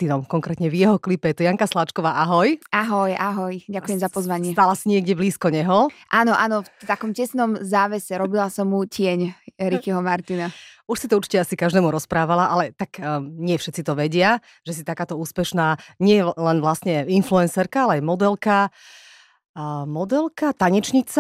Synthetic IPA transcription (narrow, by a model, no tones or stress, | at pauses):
t̪inɔmkɔŋkɾɛt̪ɲɛvjɛɦɔklipɛjɛt̪ɔjaŋkaslat͡ʃkɔʋaːʔaɦɔjʔaɦɔjaɦɔjɟakujɛmzapɔzʋaɲɪɛt̪alasiɲɪɛɡɟɛbliːskɔɲɛɦɔʔaːnɔʔanɔft̪akɔmcɛsnɔmzaːʋɛsɛɾɔbilasɔmucɪɛɲɾixiɦɔmaɾt̪inauʃsit̪ɔuɾt͡ʃicɛasikaʒd̪ɛːmuɾɔspɾaːʋalaʔalɛt̪akɲɪɛfʃɛt̪t͡sit̪ɔʋɛɟɪa | ʒ̥ɛsit̪akaːt̪ɔuːspɛʃnaːɲɪɛjɛlɛnʋlast̪ɲɛinfluɛnsɛɾkaalɛajmɔd̪ɛlka | mɔd̪ɛlkat̪aɲɛt͡ʃɲit͡sa